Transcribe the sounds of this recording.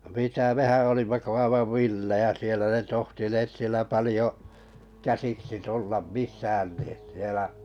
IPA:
mitæ mehæn̞ olimːɑ ko ɑiʋɑʋ ʋilːejæ sielæ ne tohtineːt sielæ pɑlĭjo kæsiksi tulːɑm misˑæːn ni sielæ

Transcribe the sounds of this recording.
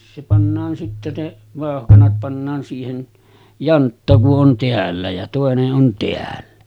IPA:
se pɑnːɑːn sitːe ne ʋɑˑohkɑnɑt pɑnːɑːn siːhen jɑntːɑ kuʔ ʔon teælːæ jɑ toˑeneʔ ʔon teælːæ

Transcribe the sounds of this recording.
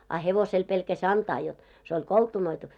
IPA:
ɑ heʋosel pelkæsʲ ɑntɑː jot se olʲ koltunoitu

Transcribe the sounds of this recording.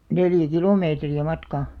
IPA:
neljæ kilomeːtriæ mɑtkɑˑ

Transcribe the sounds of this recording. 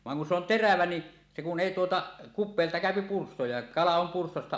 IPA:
ʋɑŋ kun se on teræʋæ ni se kun eˑi tuotɑ kupˑeːltɑ kæˑøpi pursto jɑ kɑlɑ om purstostɑ

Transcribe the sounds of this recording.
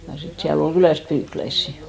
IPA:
jɑ sit siæl ol kylæˑst pyːklæisːi

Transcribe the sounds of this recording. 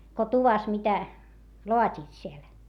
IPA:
ko tuʋɑs mitæ loɑtʲiːt siel

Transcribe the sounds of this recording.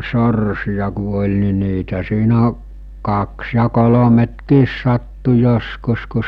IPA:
sorsijɑ ku olʲ ni niːtæ siːnæ kɑks jɑ kolometkiːs sɑtːu joskus ku

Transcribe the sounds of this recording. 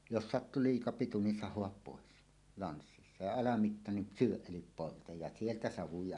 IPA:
jos sɑtːu liːkɑ pitu nin sɑhˑoɑp poˑes lɑnsːisːɑ jɑ ɑlɑmitːɑ nin syøʔ ʔelip poltɑj jɑ sieltæ sɑʋujɑ

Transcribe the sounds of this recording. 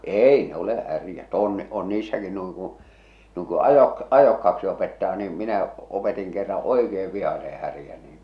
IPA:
eːi ne ole hærjæt oˑn on niːsːæki nuiŋ kũː nuiŋ ku ɑjok ɑjokːɑh̆ɑ̆ksi opetːɑː niːm minæ opetiŋ kerːɑ̃ː oikeːʋ ʋihɑse hærjæ niːn

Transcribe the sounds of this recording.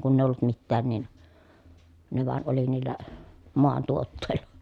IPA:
kunː eˑi olːut mitːæːn nin ne ʋɑˑen oli niːlːæ moɑntuotːeˑi̯l̥ːɑ̥

